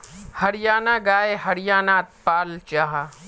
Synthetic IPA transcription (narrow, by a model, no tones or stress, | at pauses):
hɐɾjaːnaɡaːeɦɐɾɪjaːnaːt̪̚paːlt͡ʃaːɦa